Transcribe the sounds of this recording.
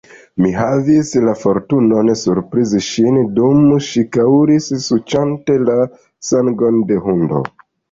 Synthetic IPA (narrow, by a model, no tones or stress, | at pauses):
miɦavislafo̞ɾtuno̞nsuɾpɾiziʃindumʃikawɾissut͡ʃante̞la | saŋɡo̞nde̞ɦundo̞̰